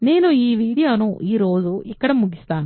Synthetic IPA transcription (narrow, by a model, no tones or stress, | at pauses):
neːnuiːʋiːɽijoːnuʔiːɾoːd̪uikːɐɽemuɡist̪aːnu